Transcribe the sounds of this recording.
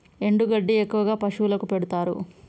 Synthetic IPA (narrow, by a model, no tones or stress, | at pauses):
e̞ɳɖuɡɐɖːiekːuʋɐɡaːpɐʂuːlɐkupeɽut̪aːɾṵ